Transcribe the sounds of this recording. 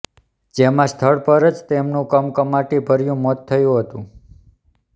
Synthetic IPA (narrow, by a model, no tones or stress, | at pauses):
d͡ʒemãst̪ʰəɭpəɾəd͡ʒt̪emnũkəmkəmaʈibʱəɾjũmɔt̪ʰːəjũɦət̪ũ